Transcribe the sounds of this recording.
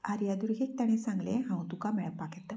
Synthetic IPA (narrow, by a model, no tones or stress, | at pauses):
aɾjad̪uɾɦik̚t̪aɽ̃esãŋɡlḛ̃ɦãwt̪ukamɛɭəpːaket̪ːə